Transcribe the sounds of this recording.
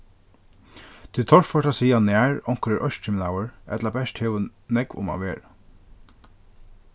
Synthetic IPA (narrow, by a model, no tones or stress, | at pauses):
t̪ʰɪlt̪ʰɔɹfɔɹʈasiːanæːɹɔŋ̥kɾɛʔœʃt͡ʃɪmlawəɹɛ̰t̪labɛʂt̪heːwənɛkʋʊ̰ma̰ːʋeːɾa